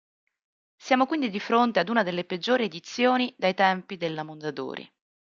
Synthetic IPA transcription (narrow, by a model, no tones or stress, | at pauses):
sjaːmokwind̪id̪ifɾont̪ead̪uːnad̪elːeped͡ʒːoːɾied̪it̪sːjoːnid̪ajt̪ɛmpid̪elːamond̪ad̪o̰ːɾḭ